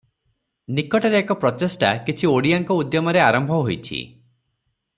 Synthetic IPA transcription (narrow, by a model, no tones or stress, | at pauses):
nikɔʈaɾeːkɔpɾɔtesʈakit͡ʃʰioɽiaŋkɔud̪jɔmɔɾeaɾɔmbʱɔɦojt͡ʃʰḭ